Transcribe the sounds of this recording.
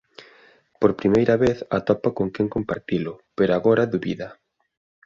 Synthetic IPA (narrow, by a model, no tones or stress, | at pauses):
poɾpɾimejɾɐβeθɐt̪ɔpakoŋkɛŋkompaɾt̪ilʊpeɾoaɣɔɾɐðuβḭðɐ